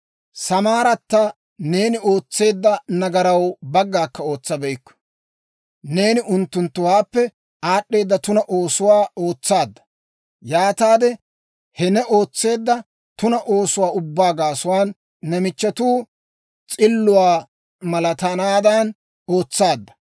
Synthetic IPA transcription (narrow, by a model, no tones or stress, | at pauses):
sɐmaːɾɐt̪ːɐ | ne̞ːnɪo̞ːt͡sːe̞ːd̪ːɐnɐɡɐɾɐwbɐɡːaːkːɐo̞ːt͡sːɐbɛɪkːɔ̥ | ne̞ːnɪʔʊnt̪ːʊnt̪ːʊwaːpːɛ | aːɗːe̞ːd̪ːɐt̪ʊnɐʔo̞ːsʊwaːo̞ːt͡sːaːd̪ːɐ̥ | jaːt̪aːd̪ɛ | hɛnɛʔo̞ːt͡sːe̞ːd̪ːɐ | t̪ʊnɐʔoːsʊwaːʊbːaːɡaːsʊwaːnː | ɛmɪt͡ʃːɐt̪uː | t͡sʼɪlːʊwaː | mɐlɐt̪ɐnaːd̪ɐn | oːt͡sːaːd̪ːɐ̥